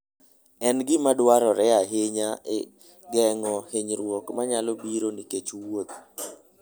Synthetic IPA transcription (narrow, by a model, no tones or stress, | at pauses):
ɛnɡɪmadwaɾɔɾɛaɦeɲaɪ | ɡɛŋɔheɲɾwɔkmaɲalɔbiɾoniket͡ʃwot̪̚